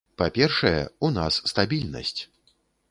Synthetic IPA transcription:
papʲɛrʂɐjɛ̰unasːt̪abʲilʲnɐ̰sʲt͡sʲ

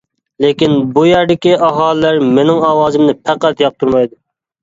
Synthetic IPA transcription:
lekʲinbujæɾd̪ɪkʲiʔɑɦɑːlˠɪlæɾmenɪŋɑːwɑːzɨmnɨpʰæqæt̪jɑq̚t̪ʰuɾmɑjd̪u

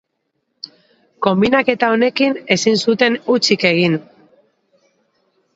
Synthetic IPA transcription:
ko̞mbinake̞t̪ao̞ne̞kine̞sinsut̪e̞nut͡sike̞ɣ̞in

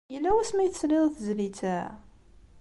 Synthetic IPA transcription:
jəlːæwæsmæjt͡sːlɪðˤθzlit͡sːæ

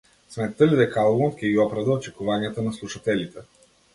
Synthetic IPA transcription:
smɛt̪t̪ːəlid̪ɛkalˠot̪kʲɛɡiɔpɾɐd̪əot͡ʃɛkuvanijat̪ənaslˠuʃat̪ɛlit̪ɛ

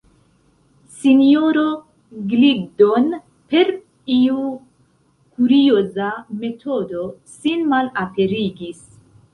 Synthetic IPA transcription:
sinio̞ɾo | ɡliɡdo̞n | pe̞ɾ | iu | kuɾio̞zame̞tʰo̞do̞sinmalape̞ɾiɡis

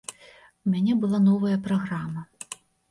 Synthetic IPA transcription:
umʲanʲɛbɨlˠanɔvɐjɐpɾaɣɾamɐ

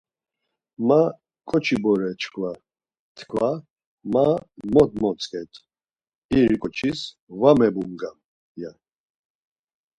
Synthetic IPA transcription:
ma | kʼɔt͡ʃʰibɔɾɛt͡ʃkʰva | t̪ʰkʰva | mamɔd̪mɔt͡sʼkʼɛt̪ʰ | iɾikʼɔt͡ʃʰis | vamɛbumɡam | ja

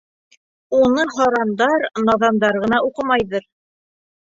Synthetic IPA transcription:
unɤɦɑɾɑnd̪ɑɾnɑðɑnd̪ɑɾʁɤ̆nɑuqɤmɑjðɤɾ

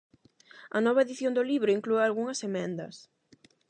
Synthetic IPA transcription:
ɐnɔβɐeðiθjond̪ʊliβɾʊiŋklualɣuŋɐsemɛnd̪ɐ̰s

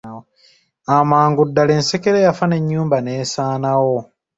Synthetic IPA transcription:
amaːŋɡudːaleːnsekeɾejafane̞ɲːuːmbaneːsaːnawo̞

